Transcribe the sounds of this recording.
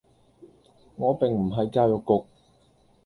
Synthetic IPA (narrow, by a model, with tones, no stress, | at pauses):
ŋɔː˨˧pɪ˨ŋm̩˨˩ɦɐ˨jkaː˧wjʊ˨kːʊ˨k̚